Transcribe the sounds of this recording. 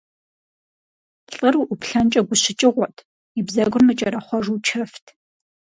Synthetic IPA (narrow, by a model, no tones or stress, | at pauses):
ɬʼɨrwuʔʊpʰɬɐnt͡ʃʼɐɡʷʊɕɪt͡ʃʼɪʁʷɔtʰ | ibzɐɡʷʊrmɨt͡ʃʼɐɾɐχʷɔʐut͡ʃʰɐftʰ